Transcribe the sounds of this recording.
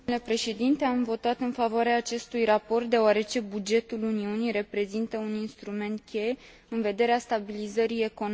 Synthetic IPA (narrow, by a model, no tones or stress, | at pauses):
le̞pɾe̞ʃe̞d̪int̪e̞amvo̞t̪at̪ɨnfavoaɾeaːt͡ʃe̞st̪ujrapo̞rt̪̚d̪e̞oaɾe̞t͡ʃe̞bud͡ʒe̞t̪uluniunijɾe̞pɾe̞zint̪əuninst̪ɾume̞nt̪̚kʲe̞j | ɨnve̞d̪e̞ɾeast̪abilizəɾie̞ko̞n